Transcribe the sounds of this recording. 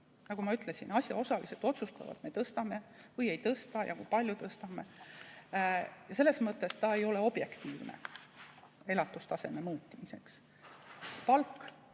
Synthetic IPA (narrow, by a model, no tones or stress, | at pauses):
nɑɡumɑyt̪ˑle̞sinɑsʲjɑ̰o̞sɑliset̪ːˑo̞t̪sust̪ɑ̰vɑ̰t̪me̞t̪ɤst̪ɑme̞vɤje̞jt̪ɤst̪ɑjɑ̰kṵjpɑlʲjut̪ɤst̪ɑme̞ | jɑse̞lːe̞smɤt̪ːˑe̞st̪ɑe̞jo̞le̞o̞b̥je̞kt̪iːvnḛ | e̞lɑt̪ːˑust̪ɑse̞me̞mɤːt̪ʲːimise̞ks | pɑlkː